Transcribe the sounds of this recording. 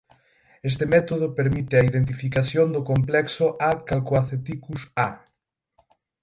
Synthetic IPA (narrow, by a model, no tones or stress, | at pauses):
es̬t̪emɛt̪oð̞ʊpeɾmit̪ɪɐiðent̪̬ifikaθjond̪ʊkomplɛksʊʔatkalkoaθet̪ikusa